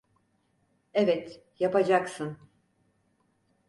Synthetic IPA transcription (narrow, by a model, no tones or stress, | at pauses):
evɛt̪ | japad͡ʒaksɯn